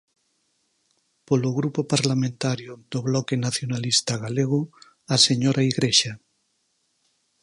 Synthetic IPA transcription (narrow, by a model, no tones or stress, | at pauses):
poloɣɾupopaɾlamẽnt̪aɾjod̪oβlɔkenaθjonalist̪aɣaleɣ̞o | aseɲoɾʔaiɣɾeʃa